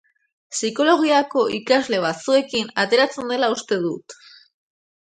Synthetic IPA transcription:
siko̞lo̞ɣ̞iako̞ʔikazle̞β̞at͡sue̞kinat̪e̞ɾat͡se̞nd̪e̞laust̪e̞ðut̪

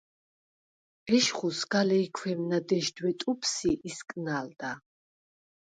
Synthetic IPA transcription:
ɛʃχusɡalɛikʰwɛmnad̪ɛʃd̪wɛt̪ʼupʰsiʔiskʼnald̪a

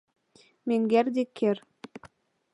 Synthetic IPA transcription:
meŋɡærd̪ekʰːer

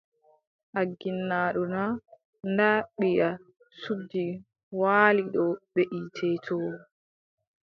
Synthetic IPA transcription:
ʔaɡːinːaɗuna | ndaɓija | sudːi | waːliɗɔɓeʔitʰɛtʰɔw

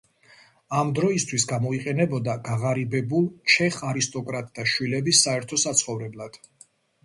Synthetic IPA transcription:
amd̪ɾɔist̪ʰwisɡamɔiqʼɛnɛbɔd̪aɡaʁaɾibɛbulˠʃɛχaɾist̪ʼɔkʼɾat̪ʼd̪aʃwilɛbisːaɛɾt̪ʰɔsat̪sʰχɔvɾɛblˠad̪̥

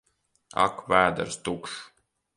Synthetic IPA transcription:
a̰kvæːd̪a̰ɾst̪ukʃ

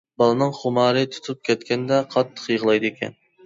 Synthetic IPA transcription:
bɑlˠɨnɨŋχʊmɑːɾɨt̪ʰu̥t̪ʰup̚kʲɛt̪̚kʲɛnd̪ɛqʰɑt̪ʰːə̥qjəʁlˠɑjd̪ɨekʲʰɛ̰n

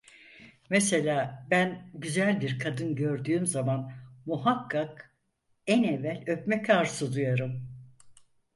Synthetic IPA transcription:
mese̞lʲaːbænɟyzælʲbiɾkʰad̪ɯnɟø̞ɾd̪yːmzamanmuɦakʰːak | ɛnevːælʲø̞pmɛcʰaɾsɯd̪ujaɾɯm

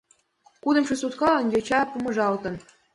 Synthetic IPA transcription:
kud̪ɤ̆mɕusut̪kɑɤ̆nʲɡʲet͡ɕɑpumɤ̆ʐɑlt̪ɤ̆n

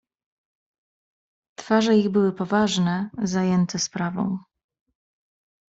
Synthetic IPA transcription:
t̪faʐɛiɣbɘwɘpɔvaʐnɛzajɛnt̪ʰɛspɾavɔ̰̃w̃

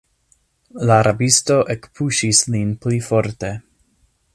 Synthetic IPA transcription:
laːɾʔabisto̞ʔekpʰuʃislinplifo̞ɾte̞

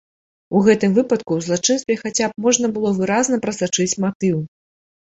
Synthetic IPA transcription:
uɣɛt̪ɨmvɨpɐt̪kuwzlˠat͡ʂɨnst̪vʲɛxat͡sʲap̚mɔʐnɐbɨlˠɔvɨɾaznɐpɾɐsat͡ʂɨt͡sʲmat̪ɨw

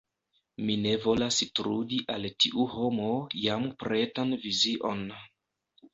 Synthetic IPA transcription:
mine̞vo̞lasitɾudiʔaltiʔuho̞mojampɾe̞tanviziʔo̞n

